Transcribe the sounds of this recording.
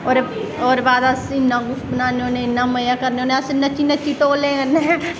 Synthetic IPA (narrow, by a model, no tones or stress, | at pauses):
oːɾoːɾbaːd̪asɪnːaːɡʊfʈbənaːneoːnẽɪnːaːməjaːkəɾneoːneəsɪnət͡ʃːinət͡ʃːiʈoːlẽːkəne